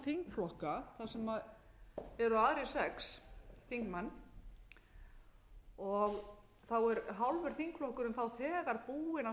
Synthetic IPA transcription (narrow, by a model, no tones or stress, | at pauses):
θiŋkflɔhkaθasɛmað | ɛɾʏaːðɾɪsɛksθiŋkmanː | ɔɣ | θawɛɾɦalvʏɾ̥θiŋkflɔhkʏɾʏmθawθɛːɣaɾpuːɪna